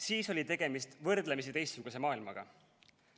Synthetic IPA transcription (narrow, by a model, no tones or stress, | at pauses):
siːso̞lʲit̪e̞ɡ̥e̞mist̪vɤrd̪̥lemis̬it̪e̞jst̪ːsuɡ̥use̞mɑːilmɑɡ̥ɑ̰